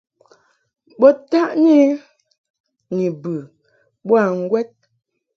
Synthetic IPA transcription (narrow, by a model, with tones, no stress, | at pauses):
ɓɔ˦ta˦ʔni˦ | ni˨bʉ˨ | ɓwa˦˨ŋ̩˦ɡwɛ˦t̚